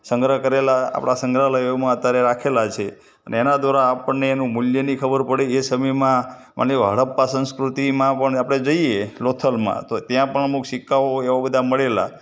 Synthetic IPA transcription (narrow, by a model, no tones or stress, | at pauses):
səŋɡɾəkəɾelaa̰pɳ̃asə̃ŋɡɾaləjomãət̪jaɾeɾakʰelat͡ʃʰe | əneːnad̪ʋaɾaːpəɳnːeːnũmuljənikʰəbəɾpəɽeesəməjmã | mʔa̰neɦə̰ɽəpːasə̃nskɾut̪imãpəɳapɽ̃ed͡ʒəielot̪ʰəlmã̰t̪ot̪jãpəɳəmukʃikːaʋoeʋabəd̪ʱaməɭela̰